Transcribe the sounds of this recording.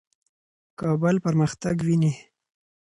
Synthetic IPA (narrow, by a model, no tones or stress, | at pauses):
kɑbəlpəɾməxt̪aɡwini